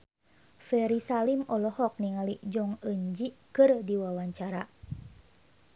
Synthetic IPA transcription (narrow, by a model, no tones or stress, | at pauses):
fɛɾisalimɔlɔhɔk̚niŋalid͡ʒɔŋəɲd͡ʒikɨrdiwawaɲt͡ʃaɾa